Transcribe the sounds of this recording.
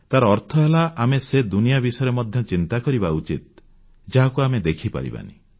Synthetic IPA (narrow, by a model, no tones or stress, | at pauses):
t̪aɾɔɔɾt̪ʰɔɦelaʔamesed̪unijabisɔjɔɾemɔd̪ʱjɔt͡ʃint̪akɔɾibaut͡ʃit̪̚ | d͡ʒaɦakuamed̪ekʰipa̰ɾḭba̰nḭ